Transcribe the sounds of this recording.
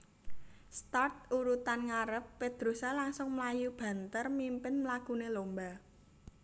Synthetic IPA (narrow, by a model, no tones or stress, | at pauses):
st̪art̪̚uɾut̪anŋaɾəpːed̪̥ɾosalaŋsʊŋməlajub̥ä̤nt̪ərmimpɪnmlakunelomba